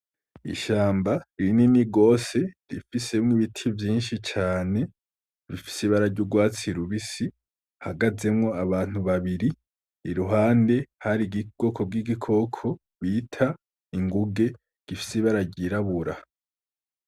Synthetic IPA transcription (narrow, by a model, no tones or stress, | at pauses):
ḭʃaːmbaiɾininiɡo̞ːse̞ɾifise̞mŋiβitʰivjiːnʃit͡ʃaːne̞ | βifi̥seiβaɾaɾɟuɡwaːt͡siɾuβisi | haɡaze̞mŋo̞aβaːn̥uβaβiɾiː | ɾuɦaːnde̞haɾiɡiɡ̥o̞kʰo̞b̚ɡiɡikʰo̞kʰo̞ | βitʰa | iŋɡuɡe̞ | ɡ̥ifi̥siβaɾaɟiɾaβuɾa